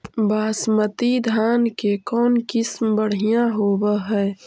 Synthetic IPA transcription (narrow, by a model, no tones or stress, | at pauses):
baːsmət̪id̪ʱaːnkekɔːnkɪsmbəɽ̤ijãɦobəɦɛː